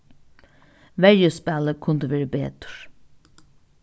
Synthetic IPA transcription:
ʋæɾjəspæləkʰʊnd̪əʋeːɹəbḛːd̪̥ɾ

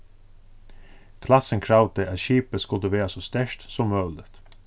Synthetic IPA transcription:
kʰlɑsənkʰɾɑʊd̪əʔɑt̪ʃiːpəskʉld̪əʋeːɹɑsɔst̪æʃt̪sɔmmœːlət̪

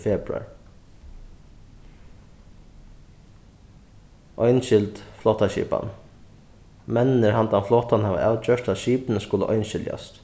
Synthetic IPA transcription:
fɛːpɾʉa̰ɹ | ʔɔjnʃɪlt̪flɔːht̪aʃḭːpa̰n | mɛnːɪnɪɾhant̪anflɔːt̪anhaːʋa̰aːwt͡ʃœːʂt̪aðʃiːpɪnəskʊlə̰ʔɔjnɕɪlja̰st̪

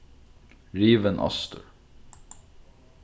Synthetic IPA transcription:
ɹiːʋənʔɑ̰st̪ə̰ɹ

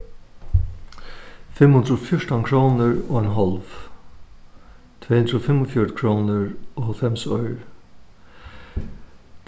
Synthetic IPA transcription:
fɪmhʉnd̪ɾfjɔʂtaŋkʰɹoːnəɹoːɛnɦɔlʋ | t̪ʰv̥eːhʉnd̪ɾəfɪmːɔfjɔəkʰɹoːnəɹoːhœlfɛmsɔʏɹ

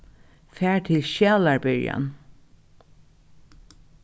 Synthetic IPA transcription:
fæːɹt̪ʰɪlʃaːlaɹbɪɹja̰n

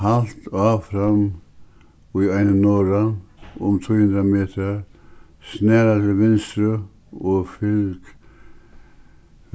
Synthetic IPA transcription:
halt̪ɑːfɾam | iaɪnənɔːɾaʊmt̪ʰuːhʉnd̪ɾameːt̪ʰə | snɛːɾat̪ʰɪlʋɪnst̪ɾə | ɔfɪlk

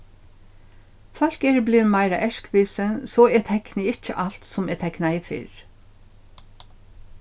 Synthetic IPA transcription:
fœlkeːɹblɪmɑɪɾɑ̰ʔæʃkʋɪːsənsoːeːt̪ʰɛknəɪc͡çəʔɑlt̪sʊmeːt̪ʰɛknæɪfɪ̰ɹ

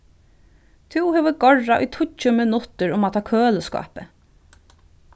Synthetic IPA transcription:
t̪ʰʉːheːʋəɡɔɹaʔḭt̪ʰʊcːəmɪnʊt̪əɹʊmat̪ʰɑːkʰøːləskɑ̰ːpə

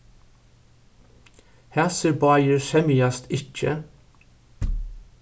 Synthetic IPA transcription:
hæsəɹbɑɪəɹʃɛmɪɑst̪ɪçə̰

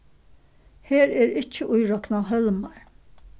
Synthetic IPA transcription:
heːɾɛːɾɪt͡ʃːɪʔʊjɾɔknaɦœlmaɹ

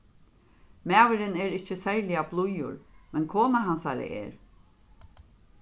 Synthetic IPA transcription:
maːwɪɾɪnɛɾɪt͡ʃːɪsɛɾlɪjablˠujʊ̰ɾmɛnkʰoːnaɦansaɾɪ̰ʔɛ̰ːɾ

